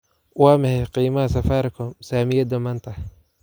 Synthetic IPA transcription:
wɑːmɐhɛjqiːmɐhɐsɐfaːɾkʰɔsaːmɪjɐd̪ɐmaːnt̪ʰɐ

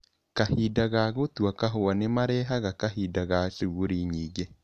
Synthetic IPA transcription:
kahidaɣaɣotwakaɦoanemaɾɛːɦaɣakahidaɣaʃeɣoɾiɲiːɡe

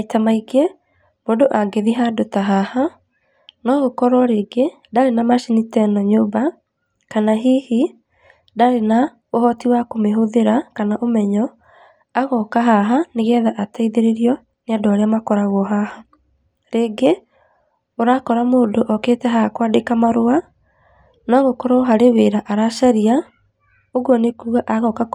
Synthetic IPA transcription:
aitamaiɡe | moːndoʔaɡeðiɦadotaɦaha | nɔɣokɔɾwɔɾeːɡe | daɾenamaʃinitɛnɔɲoba | kanaɦiːhi | daɾena | ohɔtiwakomeɦoðeɾakanaʔomɛɲɔ | aɣɔkaɦaɦaneɣɛðaʔataiðeɾeɾiɔ | neadoaɾeamakɔɾaɣɔɦaha | ɾeːɡe | oɾakɔɾamoːndoʔɔkeːtɛɦaakwadekamaɾoa | nɔɣokɔɾaɦaɾeweɾaʔaɾaʃaɾia | oɣɔnekuuaʔaɣɔka

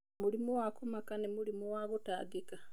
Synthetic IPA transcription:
mulimuwakumakanimulimuwaɣutaːdika

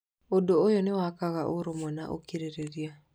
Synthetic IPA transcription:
odoojonɪwakaɣaʔoɾomɔna̰ʔo̰kiɾeɾeɾja

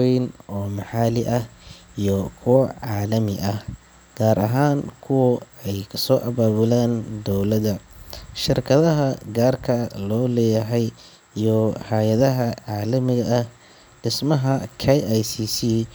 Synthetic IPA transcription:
ɛjnɔːmɑħaːlɪʔɐhijɔkʰʊwɐʕaːlɐmɪʔɐh | ɡ̥aːɾʔɐɦaːŋkʰʊwɐɛjkʰɐsɔːʔɐβaːβʊlaːnd̪ɔwlɐðɐʃɪrkʰɐðɐɦɐɡaːrkʰɐlɔːlɛːjɐɦɛj | ijɔhajɐðɐɦɐʕaːlɐmɪɣɐʔɐh | ɖ̥ɪsmɐɦɐkʰɛjajsiːsi

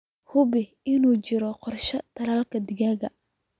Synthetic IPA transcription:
hʊbɪ | ɪnuːt͡ʃɪɾɔqɔrʃɐt̪ʰɐlaːlkʰɐd̪ɪɣaːɣɐ

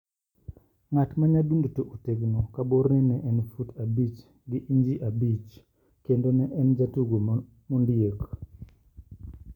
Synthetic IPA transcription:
ŋatmaɲadundutoʔuteɡnokaboɾɛnɛʔɛnfutabit͡ʃ | ɡɪʔiɲd͡ʒiʔabit͡ʃ | kendonɛʔɛnd͡ʒatuɡo | mundjek

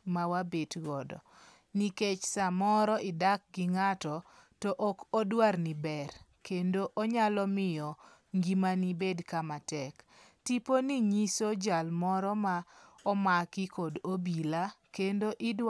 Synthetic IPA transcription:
mawabetɡɔdɔ̰ | niket͡ʃsamɔɾɔɪdak̚ɡɪŋatɔ | tɔʔɔkɔdwarnibɛrkendoʔoɲalɔmɪjɔ | ŋɡimanibedkamatɛk | tiponiɲisod͡ʒalmɔɾɔma | ɔmakɪkodobilakendoʔɪdw

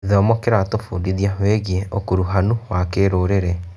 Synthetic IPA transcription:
ðɔmɔkeɾatofṵːndiðiaɦweɣieokuɾuɦanuwakeɾoːɾeɾɛ

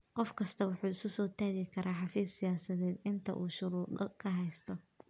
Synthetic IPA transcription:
qɔfkʰɐst̪ʰɐwʊħuːɪsʊsɔːt̪ʰaːɣɪkʰɐɾaːħɑfiːsːɪjaːsɐðɛːd̪ɪnt̪ʰɐ̰ʔuːʃʊɾuːd̪ɔkʰɐɦɛjst̪ʰɔ

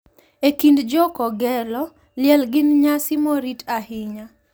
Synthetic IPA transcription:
ekindd͡ʒɔkɔɡɛlɔ | lɪɛlɡɪnɲasimoɾitahɪɲa

